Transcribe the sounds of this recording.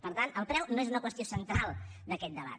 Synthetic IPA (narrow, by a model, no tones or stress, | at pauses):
pəɾt̪anəlˠpɾɛwnoezunəkwəst̪iosənt̪ɾalˠd̪əkɛt̪̚d̪əβ̞a̰t̪